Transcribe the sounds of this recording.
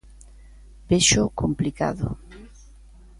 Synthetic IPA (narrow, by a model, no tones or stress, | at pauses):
b̥eʃʊkomplika̰ðʊ̰